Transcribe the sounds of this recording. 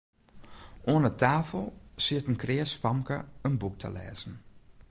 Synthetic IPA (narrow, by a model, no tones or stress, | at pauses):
oənətʰaːfəlˠsɪtənkrɪːəsfɔmkə̰ənbuk̚tʰə̰lɛ̰ːzn̩